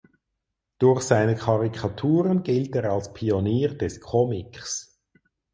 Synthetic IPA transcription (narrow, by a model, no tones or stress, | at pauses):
d̥ʊɾçsaɪnəkʰɑʁikʰɑtʰuːʁənɡɪlteːʁɑlspʰioniːʁd̥ɛskʰɔmɪks